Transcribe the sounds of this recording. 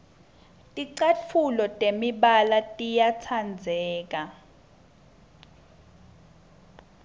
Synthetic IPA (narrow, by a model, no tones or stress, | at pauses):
tʼiǀat͡fʰulɔtʼemiɓalatʼijat͡sʰand͡zʱɛːk̬a